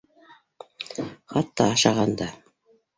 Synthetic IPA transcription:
χɑt̪ːɑːʃɑʁɑnd̪ɑ

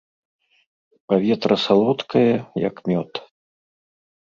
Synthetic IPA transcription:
pavʲɛt̪ɾɐsalˠɔt̪kʰɐjɐjɐ̰kmʲɔt̪

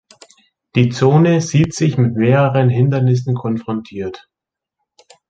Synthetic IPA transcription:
d̥iːt͡soːnəziːtz̥ɪçmɪtmeːʁəʁənɦɪndɐnɪsn̩kʰɔnfʁ̥ɔntʰiːɐt

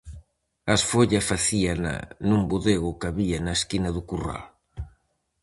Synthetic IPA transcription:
ɐsfoʎɐfaθiana̰numbuðeɣʊkaβianaeskinɐðukura̰l

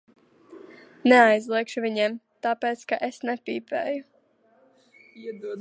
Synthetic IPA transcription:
neajzlˠiɛkʃuvʲiɲɛmt̪apeːt̪skaʔesnɛpʲiːpḛːju

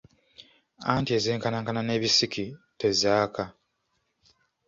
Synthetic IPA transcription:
a̰ntie̞zeːŋkanaːŋkanane̞ːβisikʰitezaːkʰa

